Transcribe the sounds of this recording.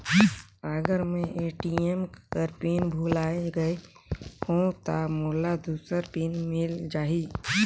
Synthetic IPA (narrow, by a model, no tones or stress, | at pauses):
əɡəɾmẽʔeːʈiemkəɾpiːnbʱuːlaːeɡəe | hõt̪amʊːlːad̪uːsəɾpiːnmɪld͡ʒaːiː